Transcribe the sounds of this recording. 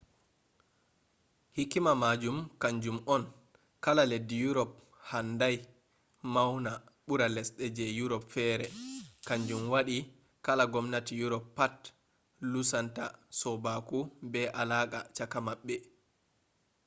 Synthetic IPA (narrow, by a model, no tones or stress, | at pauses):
hikːimamad͡ʒumkaɲd͡ʒumɔn | kalaledːijuɾɔp | handaj | mawna | ɓuɾalɛsɗɛd͡ʒɛjuɾɔpfɛːɾɛkaɲd͡ʒumwaɗi | kalaɡɔmnatijuɾɔpːat | lusantasɔbakubɛʔalaːka̰t͡ʃakamaɓːɛ